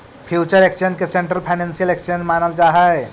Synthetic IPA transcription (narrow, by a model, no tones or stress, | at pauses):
pʰjut͡ʃəɾekt͡ʃenkesẽɳʈɾəlpʰaɪnẽnsijəlekt͡ʃənmanəld͡ʒaɦəj